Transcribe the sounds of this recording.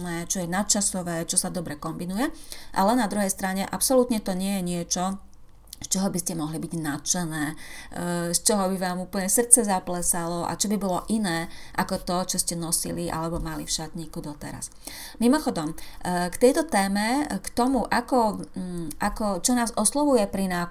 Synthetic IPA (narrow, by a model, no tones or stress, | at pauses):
nɛːt͡ʃɔjɛnat͡ʃasɔʋɛːt͡ʃɔsad̪ɔbɾɛkɔmbinujɛʔa̰lɛnad̪ɾuɦɛjst̪ɾaɲɛʔapsɔlut̪ɲɛt̪ɔɲɪɛjɛɲɪɛt͡ʃɔ | st͡ʃɔɦɔbiscɛmɔɦlibiɟnat͡ʃɛnɛː | st͡ʃɔɦɔbiʋaːmuːpl̩ɲɛsr̩t̪t͡sɛzaplɛsalɔʔa̰t͡ʃɔbibɔlɔʔinɛːʔakɔt̪ɔt͡ʃɔscɛnɔsiliʔa̰lɛbɔmalifʃat̪ɲiːkud̪ɔt̪ɛ̰ɾa̰s | mimɔxɔd̪ɔmkt̪ɛjt̪ɔt̪ɛːmɛkt̪ɔmuʔakɔ | ʔakɔt͡ʃɔnaːzɔslɔʋujɛpɾinaː